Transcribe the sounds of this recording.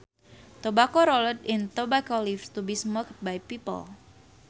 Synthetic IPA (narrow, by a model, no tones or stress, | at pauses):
t̪obakoɾoləd̪ɪnt̪obakɔlifst̪ubismɔk̚bajpipə̰l